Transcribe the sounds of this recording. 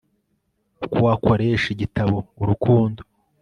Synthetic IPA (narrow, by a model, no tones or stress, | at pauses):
ukuwako̞ɾeːʃiɟitaβoːɾukʰuːndo